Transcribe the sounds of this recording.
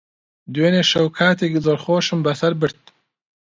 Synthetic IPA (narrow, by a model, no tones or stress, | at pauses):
d̪weːneʃɐwkʰaːt̪ʰekizoːɾχoːʃɨmbɐsɐɾbɨɾt̪̚